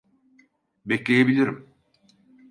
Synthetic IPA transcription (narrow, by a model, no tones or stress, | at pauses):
beclʲejebilʲiɾim